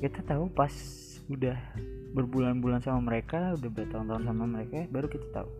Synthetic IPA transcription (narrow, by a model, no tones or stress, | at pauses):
kit̪at̪aupas | udahbərbulanbulansamaməɾekaudahbəɾat̪aunt̪auns̬amaməɾekabaɾukit̪ḁt̪a̰u